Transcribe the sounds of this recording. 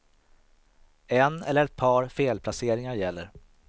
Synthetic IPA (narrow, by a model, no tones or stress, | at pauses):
ɛnɛlːəɾɛt̪̚pʰɑːɾfeːlpʰlaseːɾɪŋaɾjɛlːəɾ